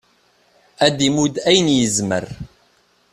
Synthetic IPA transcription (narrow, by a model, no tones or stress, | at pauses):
æd̪imud̪æjnjəzmə̰ɾ